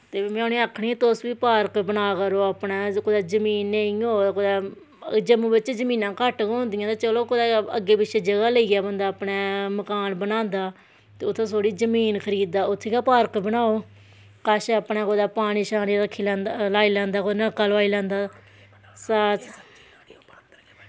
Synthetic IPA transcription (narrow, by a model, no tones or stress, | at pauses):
t̪eːmɛ̃ãːnĩaːkʰɽĩɛ̃ːt̪osʋiːpaːɾkbənaːkəɾoːapnaːkod̪aːzəmiːnːeĩoːkod̪aː | d͡ʒəmũːbɪt͡ʃd͡ʒəmĩːnãːkəʈkɦõːnd̪ijãt̪aːt͡ʃəloːkod̪aːə̰ɡeːbɪʃeːd͡ʒəɡaːləiːaːbənd̪aːəpnɛːməkaːnbənãːnd̪aː | t̪eːʊt̪ʰːẽːsoːɽiːd͡ʒəmiːnkʰəɾiːd̪̚aːʊt̪ʰːeːkaːpaːɾkbənaːoː | kaʃəpnaːkod̪aːpaːɽ̃iːʃaːniːɾəkʰːiːlãːnd̪alaːiːlãːnd̪aːkonəkːaːlʋaːiːlãːnd̪aː | sat͡ʃ